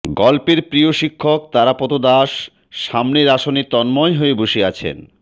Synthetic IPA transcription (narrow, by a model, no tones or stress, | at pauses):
ɡɔlpeɾpɾijoʃikʰːok̚t̪aɾapot̪od̪aʃː | amneɾaʃonit̪ɔnmɔeɦoeboʃeat͡ɕʰḛn